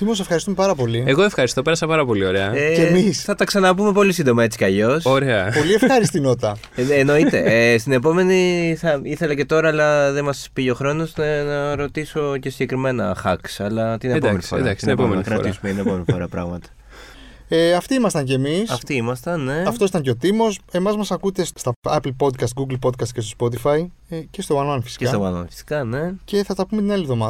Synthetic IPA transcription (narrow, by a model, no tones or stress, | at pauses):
t̪imos̬efxɐɾist̪umepɐɾɐpo̞lieɣoefxɐɾist̪o̞peɾɐsɐpɐɾɐpo̞lio̞ɾeɐeemisθɐt̪ɐksɐnɐpume̞po̞lisind̪o̞mɐe̞t͡si̥kɐʎo̞soɾeɐpo̞liefxɐɾist̪inot̪ɐː | no̞it̪e̞̰st̪inepo̞me̞niθɐiθe̞lɐce̞t̪o̞ɾɐːlɐðemɐspiʝeoxɾo̞no̞snɐnɐɾo̞t̪iso̞ce̞siɟe̞kɾime̞nɐxɐksɐlɐt̪inepomenifo̰ɐasepomɐkɾɐɾisumeinepomenifoɾɐpɾɐɣmɐt̪ɐ̥ | eɐft̪iimɐst̪ɐɲcemisɐft̪iimɐst̪ɐnne̞ɐft̪osit̪ɐɲceo̞t̪imo̞se̞mɐzmɐsɐkut̪e̞sst̪ɐɐplpo̞d̪kɐst̪̚ɡuɡl̩po̞d̪̚kɐst̪cest̪ospo̞t̪ifɐi | cest̪ovɐnoɐnfisi̥cest̪ovɐno̰nfi̥si̥kɐne̞ce̞θɐt̪ɐpumet̪inɐlivðo̞mɐ